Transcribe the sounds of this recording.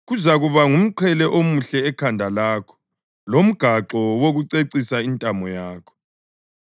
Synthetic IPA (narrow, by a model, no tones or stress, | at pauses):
ɣuzaɣuβaŋum̩ǃʰɛlɛʔomuɬɛːkʰandʱalaːkʰɔ̥ | lom̩ɡ̥ʱaǁɔwoɣuǀeǀisaintʼamɔjaːkʰɔ̥